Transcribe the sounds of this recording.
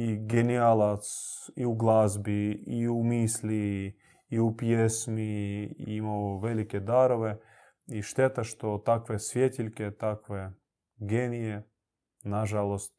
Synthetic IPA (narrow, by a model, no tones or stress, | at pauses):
iɡenialˠat̪siuɡlˠazbiiumislʲiː | upjesmiimaovɛlikʲɛd̪aɾoʋɛ | iʃt̪ɛt̪aʃt̪ot̪akʋɛsʋʲjet̪ʲilʲkʲɛt̪akʋe | ɡenije | naʒalˠost̪